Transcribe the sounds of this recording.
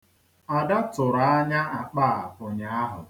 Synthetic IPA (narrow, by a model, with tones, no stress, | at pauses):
a˨da˦tʊ˨ɾa˦a˦ɲa˦a˨k͡paː˦˨ʊ˨ɲa˨˦a˦ɦʊ̰˨